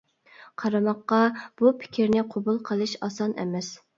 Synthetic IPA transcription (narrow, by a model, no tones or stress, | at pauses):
qʰɑɾɑmɑqːɑb̥upʰɪ̥kʲʰiɾnɪqʰobulˠqʰəlˠɨʃɑsɑnɛ̰mɛs